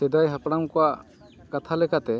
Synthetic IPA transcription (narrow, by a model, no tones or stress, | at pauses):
sɛd̪ajɦapɽamkɔwaʔ | kat̪ʰalɛkat̪ɛ